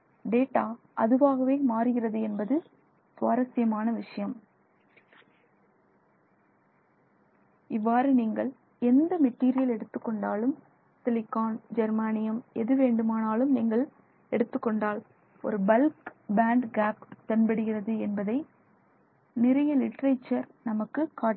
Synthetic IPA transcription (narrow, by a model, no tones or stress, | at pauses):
ɖeːʈːaː | ʔɐðɯʋaːɣɐʋeːmaːɾɯɣɪrɐðɯɛnbɐðɯ | sʋaːɾɐsɪjɐmaːnɐʋɪʂɐjɐm | ɪʋːaːɾɯniːŋɡɐɭ | ɛnd̪ɐmɛʈːiːɾɪjɐlɛɽɯt̪ːɯkːɔɳɖaːlɯm | sɪlɪkaːnd͡ʒɐɾmaːnɪjɐmɛðɯʋeːɳɖɯmaːnaːlɯmniːŋɡɐɭ | ɛɽɯt̪ːɯkːɔɳɖaːl | ɔ̰ɾɯbɐlkbaːɳɖɡaːpt̪ɐnbɐɽɯɣɪrɐðɯɛnbɐðɐɪ | nɪrɐjɐlɪʈːɾɐɪt͡ʃːɐɾnɐmɐkːɯkːaː